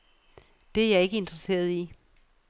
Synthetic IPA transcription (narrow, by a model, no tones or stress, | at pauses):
d̥e̝æɐjɑ̈e̝ɡ̥əe̝nd̥ʁəse̝̰ːɐðˠi